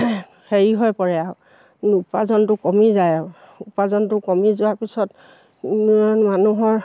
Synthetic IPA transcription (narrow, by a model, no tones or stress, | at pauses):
xeɹiɦɔjpɔɹɛa | upazɔntʊkɔmizajɔ | upazɔntʊkɔmizʊaɹpisɔt | nnmanuɦɔɹ